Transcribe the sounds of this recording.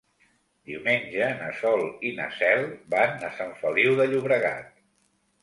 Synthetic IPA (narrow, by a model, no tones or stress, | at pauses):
d̪iwmeɲʲd͡ʒənəsɔlˠinə̰sɛlˠbanːəsaɱfəliwðəʎuβɾəɣa̰t̪̚